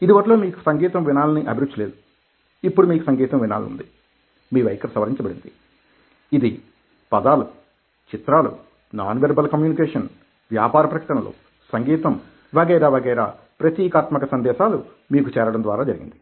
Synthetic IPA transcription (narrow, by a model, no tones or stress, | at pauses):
id̪iʋɐʈlo̞ːmiːku̥sɐŋɡiːt̪ɐmʋinaːlɐniʔɐbʱiɾut͡ʃːɐle̞ːd̪u̥ | ipːuɽumiːkusɐŋɡiːt̪ɐmʋina̰ːlṵnd̪i | miːʋɐjkɐɾsɐʋɐɾiɲt͡ʃɐbɐɽind̪i | id̪i | pɐd̪aːlu | t͡ʃit̪ɾaːlṵ | naːnʋeɾbɐlkɐmjuːnikeːʂɐn | ʋjaːpaːɾɐpɾɐkɐ̥ʈɐnɐlo̰ː | sɐŋɡiːt̪ɐm | ʋɐɡɐjɾaːʋɐːɡɐjɾa̰ː | pɾɐt̪jiːkaːt̪mɐkɐsɐnd̪ɛːʃaːlu | miːkut͡ʃɛːɾɐɽɐnd̪ʋaːɾaːd͡ʒɐɾiɡḭnd̪i